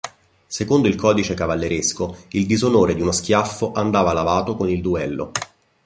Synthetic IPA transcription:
sekond̪oilkʰɔːd̪it͡ʃekavalːeɾeskoild̪izonoːɾed̪iunosk̟jafːoʔand̪aːvalavaːt̪okonild̪uɛlːo̰

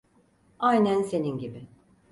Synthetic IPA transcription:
ajnænse̞ninɟibɪ

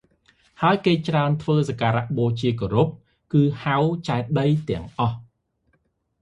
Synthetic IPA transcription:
haəjkeːt͡ɕraənt̪ʰʋəːsakaːɾaʔɓoːt͡ɕiək̬oːɾup̚ | kɨːhawt͡ɕaɛt̪̚ɗəjt̪ɛ̆əŋʔɑh

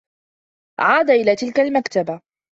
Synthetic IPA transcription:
ʕaːd̪aʔɪlaːt̪ɪlkalmakt̪aba

